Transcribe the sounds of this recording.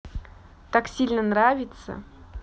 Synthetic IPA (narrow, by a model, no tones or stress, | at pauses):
t̪aksʲilʲnənravʲɪt̪sə̰